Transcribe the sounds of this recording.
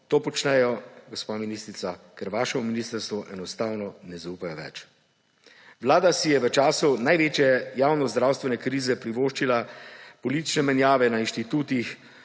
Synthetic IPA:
t̪oːpɔt͡ʃnɛjɔɡɔspaːminist̪ɾit̪sakɛɾʋaːʃɛuminiːst̪əɾst̪ʋɔʔɛnɔst̪aːwnɔnɛzauːpajɔʋɛ̰t͡ʃ | ʋlaːd̪asijɛʋət͡ʃaːsunajʋeːt͡ʃjɛjaːwnɔzd̪ɾaːwst̪ʋɛnɛkɾiːzɛpɾiʋoːʃt͡ʃilapɔlit̪it͡ʃnɛmɛnjaːʋɛnainʃt̪it̪uːt̪ix

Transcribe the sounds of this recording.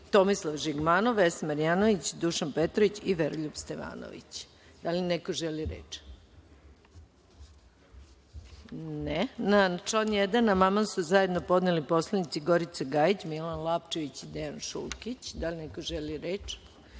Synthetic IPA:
t̪o̞mislˠaʋʒiɡmaːnoʋesmaɾjaːnoʋit͡ɕd̪uʃanpet̪ɾoʋit͡ɕiʋeɾʎubst̪eʋa̰ːno̰ʋḭt͡ɕ | d̪̥alinekoʒeliɾḛːt͡ʃ | nenat͡ʃonjed̪anamamamsuzajed̪nopo̞d̪nelipo̞slˠanit̪siɡo̞ɾit̪seɡait͡ɕmilanlˠapt͡ʃeʋit͡ɕid̪ejanʃṵlˠkit͡ɕd̪alinekoʒeliɾet͡ʃ

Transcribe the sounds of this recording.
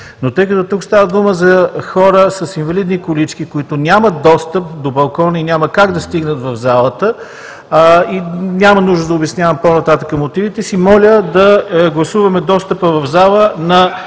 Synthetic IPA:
not̪əjk̬ɐt̪ɔt̪ukst̪avəd̪uməzɐxɔɾəsɐsinvɐlid̪nikʊlit͡ʃkikʊit̪ʊnʲamət̪̚d̪ɔst̪əp̚d̪obɐlˠkɔninʲjaməkaɡd̪ɐst̪iɡnət̪vɐvzalˠət̪ə | inʲamənuʒd̪əd̪ɐʊbɛsnʲjavəmponɐt̪at̪əkəmot̪ivit̪ɛsimɔlʲəd̪ɐɡlˠɐsuvɐmɛd̪ɔst̪əpəvɐvzalˠənɐ

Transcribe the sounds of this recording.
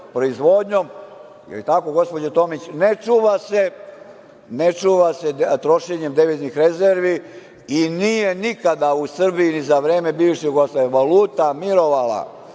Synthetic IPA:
pɾo̞izʋod̪ɲom̰ | lit̪ako̞ɡo̞spod͡ʑet̪o̞ːmit͡ɕnet͡ʂuːʋase̞ | net͡ʂuːʋase̞t̪ɾo̞ʃeɲemd̪eʋiznixɾezeɾʋi | inije̞nikad̪ausr̩bijinizaʋɾeːmebiːʋʃiɡost̪aeʋaluːt̪amiɾo̞ʋala̰

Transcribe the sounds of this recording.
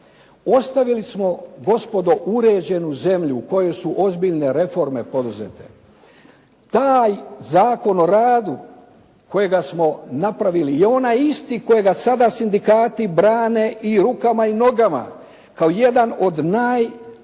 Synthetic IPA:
o̞st̪aʋilismo̞ɡo̞spo̞d̪o̞ʔuɾe̞d͡ʑe̞nuze̞mʎuːko̞jo̞suʔo̞zbiʎne̞ɾe̞fo̞ɾme̞po̞d̪uze̞̰t̪e̞̰ | t̪aːjzaːko̞no̞ɾaːd̪u | ko̞je̞ɡasmo̞napɾaʋilijeo̞najist̪iko̞jeɡasad̪asind̪ikaːt̪ibɾaːne̞ʔiɾukamaino̞ɡama̰ | kaoje̞d̪ano̞d̪naːj

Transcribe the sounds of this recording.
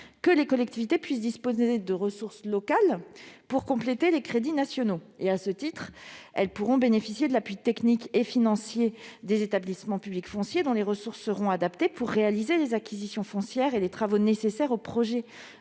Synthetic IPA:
kəlekɔlɛkt̪ivit̪epɥis̬d̪ispozed̪əʁəsuʁslɔkalpuʁkɔ̃plet̪elekχed̪inasjɔnoeasət̪it̪χɛlpuʁɔ̃benefisjed̪əlapɥit̪ɛknikefinɑ̃sjed̪ezet̪ablismɑ̃pyblikfɔ̃sjed̪ɔ̃leʁəsuʁsːəʁɔ̃ad̪apt̪epuʁːealizelezakʲʰizisjɔ̃fɔ̃sjɛʁelet̪χavonesesɛʁopχɔʒɛ

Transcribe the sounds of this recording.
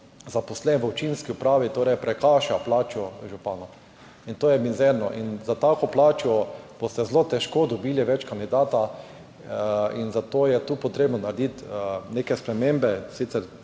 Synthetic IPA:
zaposlɛnʋəɔt͡ʃinskiʊpɾaːʋit̪oːɾɛjpɾɛkaːʃaplaːt͡ʃɔʒupaːnɔ | int̪oːjɛmizɛɾnɔʔinzat̪aːkɔplaːt͡ʃɔb̥ost̪ɛzlot̪ɛʃkod̪ɔbiːliʋɛt͡ʃkand̪id̪aːt̪a | inzat̪ojɛt̪uːpot̪ɾeːbnɔnaɾɛd̪it̪nekɛspɾɛmembɛsit̪sɛɾ

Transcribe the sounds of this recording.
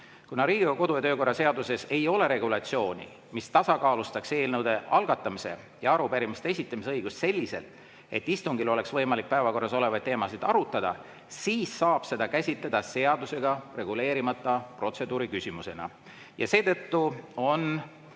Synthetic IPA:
kunɑɾiːɡ̥ʲiɑko̞d̪ujɑt̪øːko̞rːɑse̞ɑd̪use̞se̞jo̞le̞ɾe̞ɡ̥ulɑt̪sio̞ːnʲḭ | mist̪ɑsɑkɑːlust̪ɑkse̞ːlnəwd̪̥e̞ɑlɡ̥ɑt̪ˑːɑmise̞̰ | jɑɑɾupæɾimist̪eesʲit̪ːˑɑmiseɤjɡ̥ust̪se̞lʲːise̞̰lt̪ | e̞̰t̪ːist̪uŋɡilo̞le̞ksvɤjmɑlik̚pæe̞vɑko̞rːɑso̞le̞vɑjd̪̚eːmɑsid̪̥ɑɾut̪ːˑɑd̪̥ɑ̰ | siːsːɑːb̥se̞d̪ɑkæsʲit̪led̪̥ɑse̞ɑd̪̥use̞ɡ̥ɑre̞ɡ̥ule̞ːɾimɑt̪ːˑɑpro̞t̪se̞d̪uːɾikysʲimuse̞nɑ̰ | jɑse̞ːt̪ɤt̪ːuo̞n

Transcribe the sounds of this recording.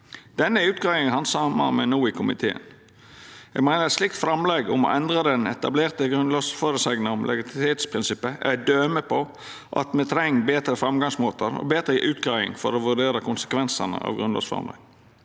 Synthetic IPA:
d̪̥ɛnːəʉːt̪̚ɡɑːʋɪŋhɑnsɑmə̰ɾmɛnuːɪkʰʊmɪ̰t̪ʰḛːə̰n | ɛ̰ɡmæɪnəɛt̪slɪk̚t̪fɾɑmlɛɡʊmɔ̰ʔɛnd̪ɾəd̪ɛnɛt̪ɑbleːɾt̪əɡɾʉnlɑːsføɾəsɛɡnəʊmlʔɛ̰ɡɪt̪t̪ʰeːt̪spʰɾɪnsɪpːəɛd̪øːməpʰɔ | ʔɑ̰t̪mɛt̪ʰɾɛŋːbeːt̪ɾəfɾɑmɡɑŋsmoːt̪əɾɔ̰beːt̪ɾəʔʉːt̪ɡɑːʋɪ̰ŋfɔɾoːʋʉɖ̪eːɾəkʰʊnsə̥kʰʋɛnsənə̰ʔɑ̰ʋɡɾʉnlɑ̰ːsfɾɑ̰mlɛ̰ɡ

